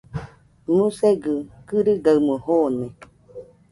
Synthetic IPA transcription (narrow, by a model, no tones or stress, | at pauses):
museɡɯkɨɾɨɡaɨmuhoːne